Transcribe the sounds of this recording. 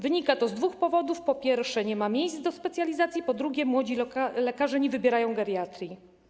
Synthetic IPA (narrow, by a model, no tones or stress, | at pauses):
vɘɲikat̪ɔzd̪vuxpɔvɔd̪ufpɔpʲjɛɾfʂɛɲɛmamʲjejsd̪ɔspɛt̪sʲjalʲizat̪sʲjipɔd̪ɾuɡʲɛmwɔd͡ʑilɛkaʐɛɲɛvɘbʲjɛɾajɔ̃w̃ɡaɾʲjat̪ɾʲi